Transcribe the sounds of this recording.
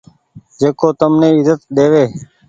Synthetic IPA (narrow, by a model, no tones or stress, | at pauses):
d͡ʒeːkoːt̪əmneːɪzət̪ɗ̪eːʋeː